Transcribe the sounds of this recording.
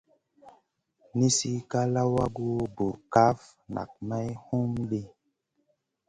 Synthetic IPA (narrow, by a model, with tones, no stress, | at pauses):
ni˦si˦ka˦la˦wa˦ɡu˦bu˨ka˦f | na̰˨k̚ma˦jhu˦mɗi˦